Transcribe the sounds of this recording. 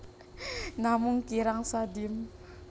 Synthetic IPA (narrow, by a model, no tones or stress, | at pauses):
namuŋkiɾaŋsad̪im